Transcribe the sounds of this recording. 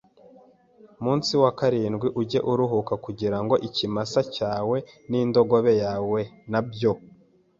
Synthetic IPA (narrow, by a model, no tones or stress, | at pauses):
muːnsiwakaɾiːnɡwiʔuɟe̞ʔuɾuɦukakuɟiɾaŋɡo̞ʔicimasacaːwe̞niːndo̞ɡo̞βe̞jaːwe̞nabjo̞